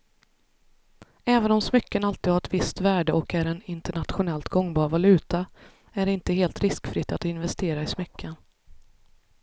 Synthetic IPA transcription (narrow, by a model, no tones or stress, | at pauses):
ɛːvənɔmsmʏkːənalt̪iːd̪haɾɛt̪vɪst̪væːɖəʔɔkæɾɛnɪnt̪əɳat̪ɧʊnɛlt̪ɡɔŋːbɑːɾvalʉ̟ːt̪a | æɖɛɪnt̪əɦeːlt̪ɾɪskfɾɪt̪ːat̪ɪnvɛst̪eːɾaɪsmʏkʰːən